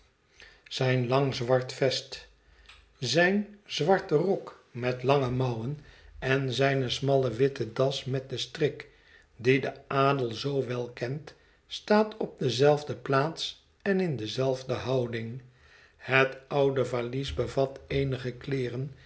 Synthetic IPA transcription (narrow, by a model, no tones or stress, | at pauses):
z̥ɛjnlɑŋzʋɑɹtfɛst | zɛjnzʋɑɹtərɔk | mɛtlɑŋəmʌwənɛnzɛjnəsmɑlˠəʋɪtədɑsmɛt̚dəstrɪk | didəʔaːdəlˠzowʋɛlˠkɛnt | staːtʰɔb̚dəzɛlˠvdəplaːts | ɛnɪndəzɛlˠvdəɦɑwdɪŋ | hətʌwdəvalisbəvɑtejnəχəklɪːrən